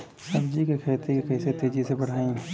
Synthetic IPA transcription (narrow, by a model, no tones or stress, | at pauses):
sɐbd͡ʒikekʰeːt̪ekekɐɪset̪eːd͡ʒisebɐɽ̤aːĩ